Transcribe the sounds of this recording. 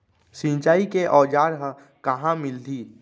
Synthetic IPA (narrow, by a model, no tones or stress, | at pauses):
sĩnt͡ʃaːikeʔɔːd͡ʒaːɾɦə̃ | kəɦãmɪld̪ʱiː